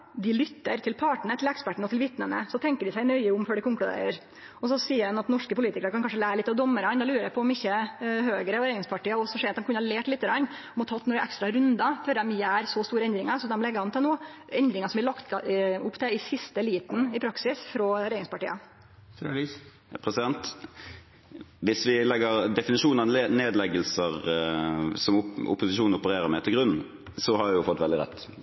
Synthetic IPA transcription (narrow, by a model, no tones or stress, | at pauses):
d̪ɪlʏt̪ːəɾt̪ʰɪlpʰɑːʈɳ̩ət̪ʰɪlɛkspæʈəɳ̩əɔt̪ʰɪlʋɪt̪nənə̰sɔt̪ʰɛŋkəɖɪsæɪnœʏəʊmføːɖɪkʊŋklʉd̪ḛːɾəɾ | ɔs̬ɔsiːəɾɛnɑt̪nɔʂkəpʊliːt̪ɪkɾəɾkʰɑnkɑnʂ̬əlæːɾəlɪt̪ːɑʋd̪ɔmːəɾɑnd̪ɛlʉːɾəɾæpʰɔɔmɪçːəhøːɡəɾəɔɾeɪɾɪŋspɑʈiːɑɔsɔʂɛːɾɑt̪d̪ɛmkʉnːəhɑɭeːʈlɪt̪ːəɡɾɑnːɔmɔt̪ʰɑt̪ːnʊɾʔæ̰kst̪ɾɑɾʉnd̪ɑføɾd̪ɛmjæːɾsɔst̪uːɾəɛnd̪ɾɪŋɑɾsɔmd̪ɛmlɛɡːəhɑnt̪ʰɛlnoːɛnd̪ɾɪŋəsɔmʋɪlɑkt̪ʊpːt̪ʰɛɪsɪst̪əliːt̪n̩ɪpʰɾɑksɪsfɾɔɾɛjːɾɪŋspɑʈiːɑ | pʰɾɛsɪd̪ɛnt̪ | ʋɪsʋɪlɛɡːəʁd̪ɛfɪnɪʂuːnɑneːd̪lɛɡəlsəʁ | sɔmʊ̰pʊsɪʃuːnʊpəɾeːɾəmɛt̪ʰɪlɡɾʉn | sɔhɑɾʋɪjʊfɔt̪ːʋɛld̪ɪʁɛ̰t̪ː